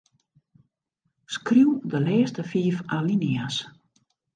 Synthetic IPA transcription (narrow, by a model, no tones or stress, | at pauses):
skriwdəlɛːstəfiːfalinias